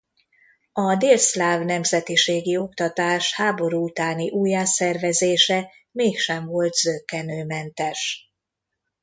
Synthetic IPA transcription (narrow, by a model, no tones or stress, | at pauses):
ɒd̪eːlslaːvnɛmzɛt̪iʃeːɡio̞kt̪ɒt̪aːʃhaːbo̞ɾuut̪aːniʔuːjaːsɛrvɛzeːʃɛ | meːkʃɛɱvo̞lt̪zøkːɛnøːmɛnt̪ɛʃ